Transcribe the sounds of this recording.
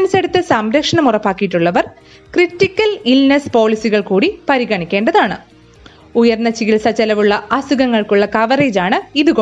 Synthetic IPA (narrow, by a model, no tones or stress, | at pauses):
ɐnɐseɽut̪ːɨsɐmɾɐkʂɐɳɐmurɐpːaːkːijiʈːuɭːɐʋɐr | kritːikʲːɐlilnɐspo̞ːlisiɣɐɭkuːɽipɐɾiɣɐɳikʲːe̞ːɳɖɐðaːɳɨ | ujɐrnɐt͡ɕːiɣilsɐt͡ɕːɐlɐʋuɭːɐʔɐsuɣɐŋːɐɭkuɭːɐkɐʋɐreːd͡ʑaːɳɨiðuɣo